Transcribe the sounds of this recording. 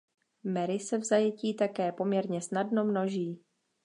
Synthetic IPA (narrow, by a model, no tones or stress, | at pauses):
mɛɾɪsɛvzajɛciːt̪akɛːpo̞mɲɛɾɲɛsnadno̞mno̞ʒiː